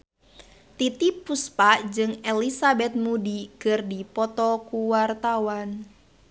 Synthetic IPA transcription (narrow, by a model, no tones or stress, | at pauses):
t̪it̪ipːuspad͡ʒɨŋɛlisabɛt̪̚mudikɨrdipɔt̪ɔkuwart̪awan